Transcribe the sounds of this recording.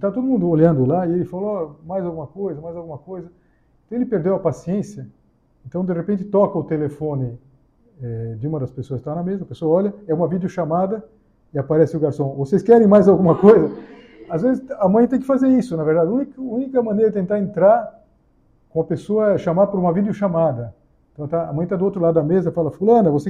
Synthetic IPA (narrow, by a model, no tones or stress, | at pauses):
ɪt̪at̪od̪ʊmũnd̪ʊoʎɐ̃nd̪ʊlaɪelɪfalɐɔmajzawɡũmɐkojzɐmajzawɡũmɐkojzɐ | ẽt̪ɐ̃w̃ɪlɪpeɾd̪ewɐpasiẽsiɐ | ẽnt̪ɐ̃w̃d̪eʁepẽnt͡ʃ̪ɪ̥t̪ɔkɐʊt̪elefõnɪ | ɛd͡ʒ̪ɪũmɐd̪ɐspesoɐskt̪anɐmezɐɐpesoɐɔʎɐɛũmɐvid̪ɪʊʃamad̪ɐ | ɪapaɾɛsɪʊɡaɾsɐ̃w̃voseskɛɾẽj̃majzawɡũmɐkojzɐ | azvezɪsɐmɐ̃j̃t̪ẽj̃kɪfazeɾisʊnɐveɾd̪ad͡ʒũnikũnikɐmɐ̃neɾɐdɪt̪ẽnt̪aɾẽnt̪ɾaɾ | kõɐpesoɐɛʃamapʊɾũmɐvid̪jʊʃamad̪ɐ | ẽnt̪ɐ̃w̃t̪aɐ̰mɐ̃j̃t̪ad̪ʊowt̪ɾʊlad̪ʊd̪ɐmezɐfalɐfulɐ̃nɐvose